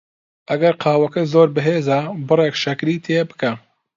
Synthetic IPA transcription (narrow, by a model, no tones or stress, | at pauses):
ʔɐɡɐɾqʰɑːwɐkɐzoːɾbɨɦeːzabɨrekʃɐkɾiːt̪ʰeːbɨ̥kɐ